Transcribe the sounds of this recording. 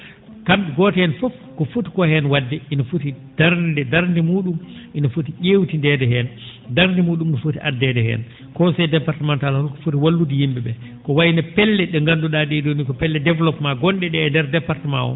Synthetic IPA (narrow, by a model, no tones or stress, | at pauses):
kamɡɔtɛhɛnfɔf | kɔfuti̥kɔhɛnwadːɛʔinafutid̥aɾndɛdaɾndimuːɗumʔinafutiʔewtindɛdɛɦɛn | daɾndimuːɗumɗɔfutiʔadːɛdɛhɛ̰n | kɔsɛjdɛpaɾtɛmantalhɔlkɔ̥futiwalːudijimbɛɓɛ | kɔwajinapɛlːɛɗɛŋɡanduɗadidonikɔpɛlːɛdɛvlɔpmaɡɔnɗɛɗɛːndɛɾdɛpaɾtmawɔ̰